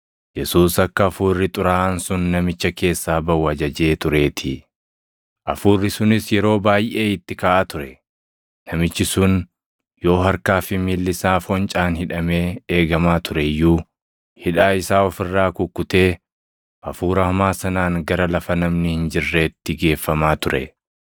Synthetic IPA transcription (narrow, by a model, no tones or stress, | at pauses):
jɛsuːsɐkːɐːfuːrːɪt̪ʼʊɾaːʔnsʊnːɐmɪt͡ʃːɐke̞ːsːaːbɐwːɐd͡ʒɐd͡ʒe̞ːt̪ʊɾe̞ːt̪ʰɪ | ʔɐfuːrːɪsʊnɪsjɛɾo̞ːbaːjʔe̞ːɪt̪ːɪkaːʔaːt̪ʊɾɛ | nɐmɪt͡ʃːɪsʊn | jo̞ːɦɐɾkaːfɪmiːlːɪsaːfɔnt͡ʃʼaːnhɪᶑɐme̞ːeːɡɐmaːt̪ʰʊɾɛjuː | hɪᶑaːɪsaːɔfɪrːaːkʊkːʊt̪e̞ː | ʔɐfuːɾɐhʊmaːsɐnaːŋɡɐɾɐlɐfɐnɐmnɪhɪnd͡ʒɪrːe̞ːt̪ːɪɡe̞ːfːɐmaːt̪ʊɾɛ̰